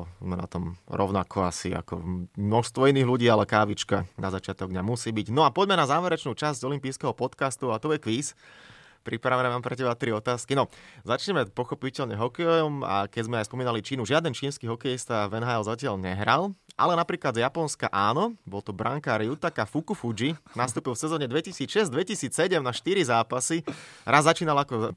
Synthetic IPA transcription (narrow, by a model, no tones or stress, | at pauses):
mɛna̰t̪ɔmɾɔʊnakʰɔasḭa̰kɔ̰mnɔʃst̪ʋɔiniːɣluɟiːalɛkaːʋit͡ʃkanazat͡ʃɪat̪ɔɡ̚d̪ɲamusiːbiɟnɔapɔɟmɛnazaːʋɛɾɛt͡ʃnuːt͡ʃazɟɔlimpiːskɛɦɔpɔt̪kast̪uat̪ɔjɛkʋiːs | pɾipɾaʋɛnɛʋaːmpɾɛcɛbat̪ɾiɔt̪aːskinɔzat͡ʃɲɛmɛpɔxɔpicɛlɲɛɦɔkɛjɔɔma̰kɛɟzmɛajspɔmiːnalit͡ʃiːnuʒɪad̪ɛnt͡ʃiːnskiɦɔkɛjist̪aʋɛnɦaɛlzacɪaʎɲɛɦɾalˠʔa̰lɛnapɾiːklad̪zjapɔnskaʔaːnɔbɔlt̪ɔbɾa̰ŋkaɾjut̪akafukufud͡ʒinast̪uːpilfsɛzɔːɲɛd̪ʋɛcisiːt͡sʃɛzd̪ʋɛcisiːt͡ssɛɟɛmnaʃt̪iɾizaːpasiɾʔazːat͡ʃiːnalakɔ